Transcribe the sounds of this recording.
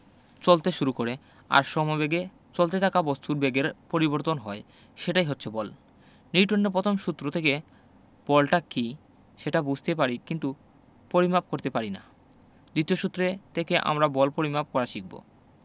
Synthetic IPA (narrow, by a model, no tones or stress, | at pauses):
t͡ɕolt̪eʃuɾukoɾe | a̰ɾʃɔmɔbeɡe | t͡ɕolt̪et̪ʰakabost̪uɾbeɡeɾpoɾiboɾt̪onɦɔe | ʃeʈajɦotːɕʰebɔl | niʈonːeɾpɾɔt̪ʰomʃut̪ːɾot̪ʰeke | b̥ɔlʈaki | ʃeʈabud͡ʑʱt̪ep̬aɾikint̪u | poɾimap̚koɾt̪epaɾina̰ | d̪it̪ioʃut̪ːɾet̪ʰekeʔa̰mɾabɔlpoɾimap̚kɔɾaʃik̚bo̰